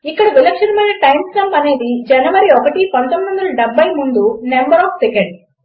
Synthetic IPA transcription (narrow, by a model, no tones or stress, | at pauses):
ikːɐɽɐʋilɐkʂɐnmɐjnɐʈɐjmslɐmpɐne̞ːd̪id͡ʒɐnɐʋɐɾiɔkɐʈipɐnt̪omːiʋɐnd̪ɐlɐɖebʱːɐjmund̪unembɐɾɔːfsekeɳɖ